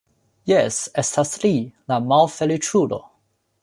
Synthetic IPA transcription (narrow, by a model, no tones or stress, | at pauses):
jesestaslilamalfelit͡ʃulo̰